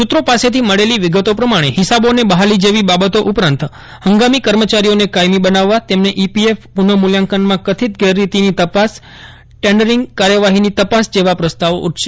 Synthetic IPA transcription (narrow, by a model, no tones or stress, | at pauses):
ʃut̪ɾopaset̪ʰiməɭeliʋɪɡət̪opɾəmaɽ̃ehɪsabonebəɦalid͡ʒeʋibabət̪oʔupɾãnt̪ | həŋɡamikəɾmət͡ʃaɾionekajmibənaʋːat̪emneʔipiefpunəmuljãŋkənmãkət̪ʰit̪̚ɡeɾːit̪init̪əpas | ʈeɳɖəɾɪŋɡkaɾjəʋaɦinit̪əpasd͡ʒeʋapɾəst̪aʋṵʈʰʃe̥